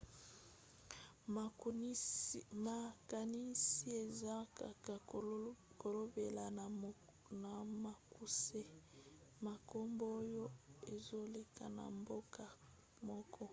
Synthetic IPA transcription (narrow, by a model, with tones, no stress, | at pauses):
ma˨ka˨ni˦si˦e˨za˦a˨ka˨ | ko˨lo˦be˨la˨ | na˨ma˨ku˨se˦ | ma˨ko˦mbo˦jo˦e˨zo˦le˨ka̰˨na̰˨mbo˦kʰa˨ | mɔ˦kʰɔ˦